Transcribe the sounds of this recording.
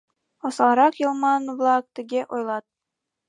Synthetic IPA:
ɒsɑlˠɾɑqjɤlˠmɑnvlˠak̚t̪ɘɡʲeʔojlˠɑt̪̚

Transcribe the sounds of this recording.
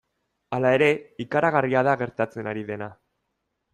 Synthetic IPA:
alae̞ɾe̞ikaɾaɣariaðaɣe̞ɾt̪at͡se̞naɾiðe̞na

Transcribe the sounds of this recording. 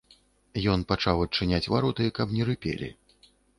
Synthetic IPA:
jɔnpat͡ʂawɐt͡ʂːɨnʲat͡sʲvaɾɔt̪ɨkɐpnʲɛɾɨpʲḛlʲḭ

